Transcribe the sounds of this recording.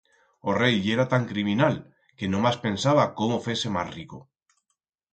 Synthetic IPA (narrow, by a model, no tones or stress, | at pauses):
ore̞jʎeɾat̪aŋkɾimĩnal | ke̞nõmaspe̞nsaβ̞akomofese̞ma̰sriko